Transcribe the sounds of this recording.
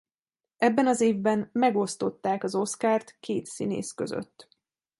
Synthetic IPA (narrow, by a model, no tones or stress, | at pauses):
ɛbːɛnɒzeːvbɛnmɛɡo̞st̪o̞t̪ːaːkɒzo̞skaːrt̪keːt̪sḭnḛːskø̞zø̰t̪ː